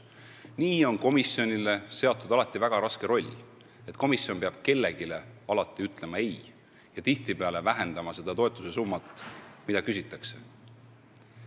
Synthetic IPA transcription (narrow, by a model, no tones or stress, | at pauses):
niːo̞nko̞misio̞nile̞se̞ot̪ːˑud̪̥ɑlɑt̪ːˑivæɡ̥ɑɾɑske̞ɾo̞lʲː | e̞t̪ːˑko̞misːjo̞npeɑb̥̚ke̞lːe̞ɡ̥ile̞ɑlɑt̪ˑːiyt̪ˑle̞mɑe̞j | jɑt̪iht̪ipeɑle̞væɦe̞nd̪ɑmɑse̞d̪̥ɑt̪o̞e̞t̪ːˑu̥se̞sumːɑt̪ːˑmid̪̥ɑkysit̪ːˑɑkse̞̥